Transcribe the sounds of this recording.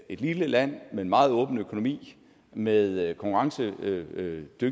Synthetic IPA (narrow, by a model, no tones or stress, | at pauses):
e̝d̥liləlæn̰mee̝nmɑ̈ːð̞̩ˠɔ̽ːb̥n̩økʰo̝no̝mḭː | meðˠkʰɒ̽ŋkʰuʁɑ̈ŋsə | d̥øɡ